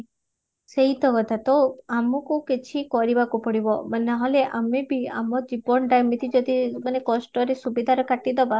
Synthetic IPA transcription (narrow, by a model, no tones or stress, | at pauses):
seɦit̪ɔkɔt̪ʰat̪ɔamɔkuket͡ʃʰikɔɾibakupɔɽibɔmənːaɦɔleʔamebia̰mɔd͡ʒibɔɳɖajmit̪ʰid͡ʒod̪imanekɔsʈɔɾesubid̪ʱaɾɔkaʈid̪ɔba